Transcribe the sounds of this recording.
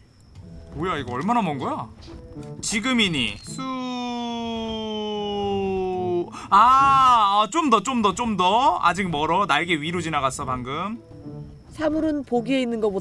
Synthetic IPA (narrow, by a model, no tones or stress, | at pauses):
mojaiɡʌʌɭmanamʌnɡʌja | t͡ɕiɡɯmiɲḭsʰu | a | t͡ɕomdʌt͡ɕ͈omdʌt͡ɕ͈omdʌa̰d͡ʑik̚mʌɾʌnaɭɡe̞ɥiɾod͡ʑinaɡas͈ʰʌpaŋɡɯm | sʰamuɾɯnpoɡie̞inːɯnɡʌpo